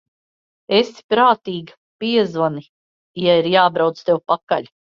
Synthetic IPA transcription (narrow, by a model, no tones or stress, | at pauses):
esi̥pɾaːt̪iːɡa | piɛzvani | jaiɾjaːbɾawt̪st̪ewpaka̰ʎʲ